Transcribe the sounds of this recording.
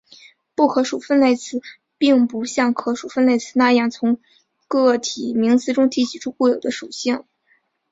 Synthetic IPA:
pu˥˩kʰɤ˧˥ʂu˨˩fə˥˧nle˥˩ɪt͡sʰɹ̩˥˩ | pi˥˩ŋpu˧˥ɕjɑ˥˩ŋkʰɤ˧˥ʂu˨˩fə˥˧nle˥˧ɪt͡sʰɹ̩˥˩na˥˧jɑ˥˩ŋt͡sʰʊ˧˥ŋ | kɤ˥˩t̪ʰi˨˩mi˧˥ŋt͡sɹ̩˧˥ʈ͡ʂʊ˥ŋt̪ʰi˧˥t͡ɕʰi˨˩ʈ͡ʂʰu˥˧kwɔ˥˩jo˨˩ʊd̪ə˦ʂu˨˩ɕi˥˩ŋ

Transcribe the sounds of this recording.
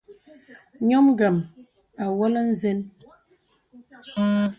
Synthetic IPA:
ɲɔ˦m˦ɡə˨m | a˨wɔ˦lə˦n̩˦ze˦n

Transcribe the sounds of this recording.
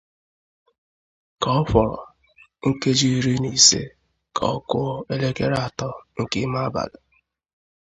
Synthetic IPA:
ka˨ɔ˦fɔ˨ɾɔ̰˨ | ŋ̩˦ke˦d͡ʒi˦˨ɾi˦ni˨sḛ˦ | kʰa̰˨ɔ˦kʊ˦e˦le˦ke˦ɾa˨tɔ˦ŋ̩˨kɪ˦ma˦ba̰˨da˨

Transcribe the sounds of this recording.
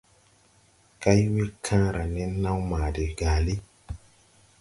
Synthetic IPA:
ka˦jwe˦kʰã˦ɾa˨nɛ˦nã˦wmaː˨de˨ɡ̥a˨li˦

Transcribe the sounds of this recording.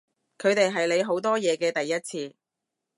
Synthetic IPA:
kʰɵ˨˧ɥt̪e˨jɦɐ˨jle˨˧jɦo˨˥wt̪ɔː˥jɛː˨˧kɛː˧t̪ɐ˨jːɐ˥t̚t͡sʰiː˧

